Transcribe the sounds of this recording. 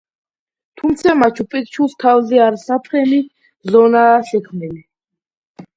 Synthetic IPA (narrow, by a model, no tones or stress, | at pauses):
t̪ʰumt̪sʰamat͡ʃʰupʼɛk̚ʼt͡ʃʰuskʰavzɛaɾisapʰχɛni | zɔnaːʃɛkʰmnili